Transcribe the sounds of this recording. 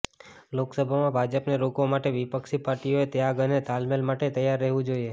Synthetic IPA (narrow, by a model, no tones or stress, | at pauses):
loksəbʱamãbʱad͡ʒəpneɾokomaʈeʋipəkʃipaɾʈioet̪jaɡənet̪almelmaʈet̪əjaɾːəɦʋũd͡ʒoie